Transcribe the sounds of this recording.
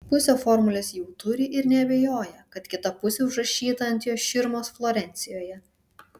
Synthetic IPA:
pʊsʲoːfɔɾmʊlʲɛsjɛʊt̪ʊɾʲɪʔɪɾnʲɛɐbʲɛjoːjɛkɐt̪kʲɪt̪ɐpʊsʲɛʊʒɾɐʃʲiːt̪ɐɐnt̪ʲjoːsʃʲɪɾmoːsflˠoːɾʲɛnʲt̪sʲɪjoːjɛ

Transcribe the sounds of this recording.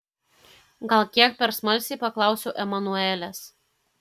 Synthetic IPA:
ɡɐlˠkʲiɛk̚pʲɛɾsmɐlʲsʲɪːpɐklˠɑˑʊsʲoːʔɛmɐnuɛlʲɛs

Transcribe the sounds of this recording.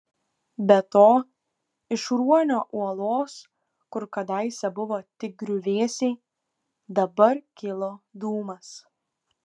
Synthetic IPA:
bʲɛt̪oː | ɪʃɾuɔnʲoːʔuɔlˠoːs | kʊɾkɐd̪ɐɪsʲɛbʊʋoːt̪ʲɪk̚ɡɾʲʊʋʲeːsʲɛɪ | d̪ɐbɐɾkʲɪlˠoːd̪uːmɐs

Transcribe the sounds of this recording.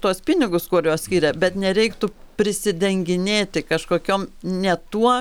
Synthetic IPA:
t̪uɔspʲɪnʲɪɡʊskuɔɾjoːssʲkʲiːɾʲɛbʲɛt̪nʲɛɾʲɛɪkt̪ʊ | pʲɾʲɪsʲɪd̪ʲɛŋʲɡʲɪnʲeːt̪ʲɪkɐʃkoːkʲoːmnʲɛt̪uɔ

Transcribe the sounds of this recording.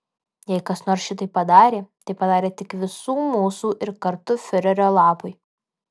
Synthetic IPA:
jɛɪkɐsnoːɾsʃʲɪt̪ɐɪpːɐd̪ɑːɾʲeːt̪ɐɪpɐd̪ɑːɾʲeːt̪ʲɪkʋʲɪsuːmuːsuːʔɪɾkɐɾt̪ʊfʲɪɾʲɛɾʲoːlˠɑːpʊɪ

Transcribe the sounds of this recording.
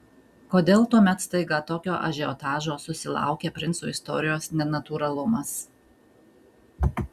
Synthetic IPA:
koːd̪ʲeːlˠt̪uɔmʲɛt̪st̪ɐɪɡɐt̪oːkʲoːʔɐ̰ʒʲɛɔt̪ɑːʒoːsʊsʲɪlˠɑ̰ˑʊkʲeːpʲɾʲɪnsuːɪst̪ɔ̰ːɾʲɪjoːsnʲɛnɐt̪uːɾɐlˠʊmɐs

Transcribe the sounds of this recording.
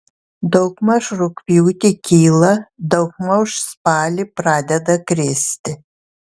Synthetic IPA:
d̪ɒʊkmɐʃɾʊkpʲjuːt̪ʲɪkʲiːlˠɐd̪ɐʊkmɐʊʃspɑːlʲipɾɑːd̪ʲɛd̪ɐkɾʲɪːsʲt̪ʲɪ

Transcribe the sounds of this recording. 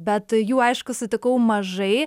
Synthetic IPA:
bʲɛt̪juːɐɪʃkʊsʊt̪ʲɪkɐʊmɐʒɐɪ

